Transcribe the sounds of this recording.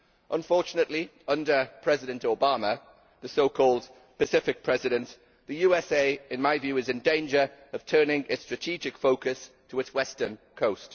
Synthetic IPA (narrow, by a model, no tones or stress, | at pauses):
ʔə̃nfɔˑt͡ʃənəʔli | ʌ̃ndəpʰɹ̥ɛzɪɾə̃ntoʊbɑmə | ðəsoʊkʰɔːlˠd | pəsɪfɪk̚pʰɹ̥ɛzɪɾə̃nʔ | ðəjʉːɛseɪɪ̃nmaɪvjʉːɪzɪ̃ndẽɪ̃nd͡ʒəɹəv̥tʰɜːnɪ̃ŋʔɪtstɹ̥ətʰid͡ʒɪkfoʊkʰəs | tʰəɪtswɛstə˞nkʰoʊst